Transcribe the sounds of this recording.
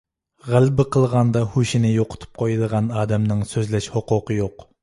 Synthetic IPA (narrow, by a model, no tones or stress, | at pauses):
ʁælbɪqʰəlˠʁɑnd̪ɑhuʃinɪjoqʰʊ̥t̪ʰu̥p̚qʰojd̪əʁɑnɑːd̪ɛmnɨŋsøzlɛʃhoqʊqʰəjoq